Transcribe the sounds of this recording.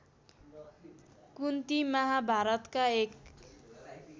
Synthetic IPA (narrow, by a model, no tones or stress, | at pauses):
kunt̪imʌɦabʱaɾʌt̪kaek